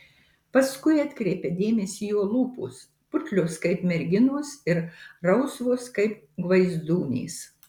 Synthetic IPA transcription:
pɐskʊɪɐt̪ʲkɾʲɛɪpʲɛd̪ʲeːmʲɛsʲiːjoːlˠuːpṵːs | pʊt̪ʲlʲʊskɐɪpmʲɛɾʲɡʲɪnuːsɪɾɾɐʊsʋoːskɐɪp̚ | ɡʋɐɪzd̪uːnʲḭːs

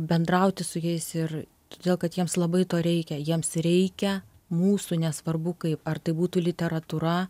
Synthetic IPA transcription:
bʲɛnd̪rɐʊt̪ʲɪsʊjɛɪsɪr | t̪oːdʲeːlˠkɐt̪jiɛmslˠɐbɐɪt̪oːɾʲɛɪkʲɛjiɛmsɾʲɛɪkʲɛ | muːsunʲɛsʋɐrbʊkɐɪpɐrt̪ɐɪbuːt̪uːlʲɪt̪ʲɛɾɐt̪uːɾɐ

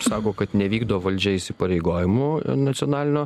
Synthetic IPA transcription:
sɑːkoːkɐt̪nʲɛʋʲiːɡd̪oʋʋɐlʲd͡ʒʲɛɪsʲɪpɐɾʲɛɪɡoːjɪmʊnɐt̪sʲɪoːnɑːlʲɪnʲoː

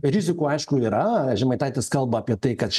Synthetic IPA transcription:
ɾʲɪzʲɪkuːɐɪʃkʊiːɾɐʒʲɪmɐɪt̪ɛːɪt̪ʲeːskɐlˠbɐːpʲiɛt̪ɐɪkɐt̪t͡ʃʲ

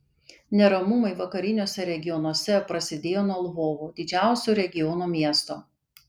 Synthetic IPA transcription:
nʲɛɾɐmʊmɐɪʋɐkɐɾʲɪnʲoːsʲɛɾʲɛɡʲɪjɔnuɔsʲɛpɾɐsʲɪd̪ʲeːjoːnuɔlˠʋoːʋuːd̪ʲɪd͡ʒʲæˑʊsʲoːɾʲɛɡʲɪjɔnomʲiɛst̪oː

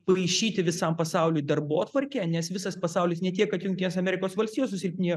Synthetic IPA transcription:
pɐɐɪʃʲiːt̪ʲɪʋʲɪsɐmpɐsɑʊlʲʊjd̪ɐrboːt̪ʋɐɾʲkʲænʲɛsʋʲɪsɐspɐsɑʊlʲɪsnʲɛt̪ʲiɛkkɐt̪jʊŋkt̪ʲɪnʲeːsɐmʲɛɾʲɪkoːsʋɐlʲsʲt̪ʲijoːssʊsʲɪlʲpʲnʲiː

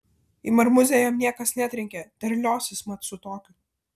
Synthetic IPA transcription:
imɐɾmʊzʲɛjɛmnʲiɛkɐsnʲæːt̪ʲɾʲɛŋʲkʲɛt̪ʲɛɾʲlʲoːsʲɪsmɐt̪sʊt̪oːkʲʊ

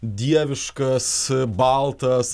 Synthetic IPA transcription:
d̪ʲiɛʋʲɪʃkɐsbɐlˠt̪ɐs

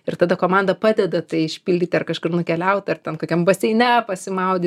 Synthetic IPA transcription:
ɪrt̪ɐd̪ɐkoːmɑnd̪ɐpɑːd̪ʲɛd̪ɐt̪ɐɪɪʃʲpʲɪlʲdʲiːt̪ʲɪɐrkɐʃkʊrnʊkʲɛlʲɛʊt̪ʲɐrt̪ʲɛnt̪oːkʲɛmbɐsʲɛɪnʲɛpɐsʲɪmɐʊd̪ʲi

